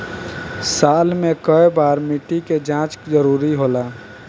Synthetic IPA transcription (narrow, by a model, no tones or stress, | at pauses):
saːlmekəebaːɾmiʈiked͡ʒãt͡ʃd͡ʒəɾuːɾiɦola